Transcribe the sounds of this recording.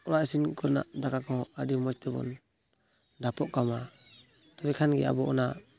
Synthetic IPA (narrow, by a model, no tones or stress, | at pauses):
ɔɾaʔisinkɔɾna̰ʔd̪akakɔhɔʔadimɔt͡ʃt̪ɛbɔ̰n | dapɔʔkama | t̪ɔbɛkʰanɡɛ̰a̰bɔɔna